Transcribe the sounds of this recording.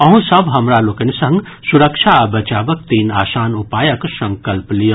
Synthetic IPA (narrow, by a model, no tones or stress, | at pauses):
ɐɦũsəbɦɐmɾaloːkɐnisɐ̃ŋɡ | suɾəkʃʰabɐt͡ʃaːbək̚t̪iːnaːsaːnupaːjəksɐ̃ŋkəlplij